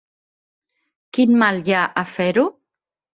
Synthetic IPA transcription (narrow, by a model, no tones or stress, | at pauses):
kinmaljaʔafɛɾu